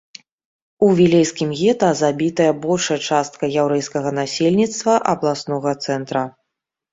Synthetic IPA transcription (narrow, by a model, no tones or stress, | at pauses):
uvʲilʲɛjskʲimɣʲɛt̪azabʲit̪ɐjɐbɔlʲʂɐjɐt͡ʂast̪̚kɐjawɾɛjskɐɣɐnasʲelʲnʲit̪st̪vɐʔɐblˠasnɔɣɐt̪sɛnt̪ɾɐ